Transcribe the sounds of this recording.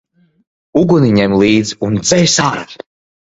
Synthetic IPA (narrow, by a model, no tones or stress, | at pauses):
uɡuniɲɛmlˠiːd̪ziund̪zɛjsaːɾat̪